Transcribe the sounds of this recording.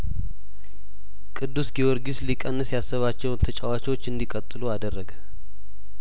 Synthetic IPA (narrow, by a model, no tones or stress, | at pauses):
kʼɨd̪ːusɡiwɔɾɡislikʼənːɨsjasːəβat͡ʃːɛwnt̪ʰət͡ʃʼawat͡ʃɛwot͡ʃːɨnd̪ikʼət̪ʼːɨluad̪ərːəɡə